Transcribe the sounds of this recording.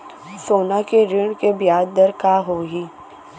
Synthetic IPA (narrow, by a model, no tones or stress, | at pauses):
soːnakeɾɪɳ̃kebɪjaːd̪̚d̪əɾkaːɦoːɦiː